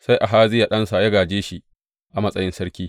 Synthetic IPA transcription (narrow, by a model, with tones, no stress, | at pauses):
sa˦jʔa˨ɦaː˦zɪ˦ja˨ɗɐ˦nsa˨jɐ˦ɡaː˨d͡ʒeː˦ʃi˦ | ʔa˨mɐ˦sʼɐ˦jɪ˦nsɐ˦ɾkʲiː˦